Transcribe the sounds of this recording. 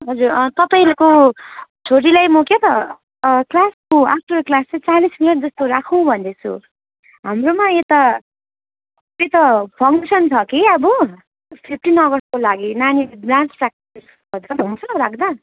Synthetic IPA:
ɦʌd͡zurt̪ʌpaj̃leko | t͡sʰoɾilajmokjet̪ʌ | klaskoak̚ʈʌɾklast͡set͡salisminʌʈd͡zʌst̪oɾakʰũbʱʌnd̪et͡sʰṵ | ɦamromaet̪a | et̪ʌpʰʌŋksʌnt͡sʰʌkiʌbʌ | pʰipʰʈinʌɡʌrskolaɡinanibrãnt͡srak̚ | s | kʌd̪kʌɦũnt͡sʰʌɾakʰd̪a

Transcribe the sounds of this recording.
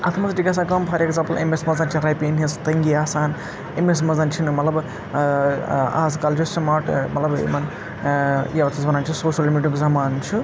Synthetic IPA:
ɐt̪ʰmɐzʈiɡas̬ɐkɐːmpʰɐɾeɡzaːmpɐlḛmesmɐzɐnt͡ʃʰinɾɐjpinɦist̪ɐŋɡiaːsaːn | emes̬mɐzɐnt͡ʃʰinmɐt̪lɐb | aːzkɐld͡ʒustɐmaːʈmɐ̰t̪lɐb̰mɐn | jeʋɐt̪ʰɐzbɐnaːnt͡ʃʰisoːʃɐlːimiʈuɡzɐmaːnt͡ʃʰu

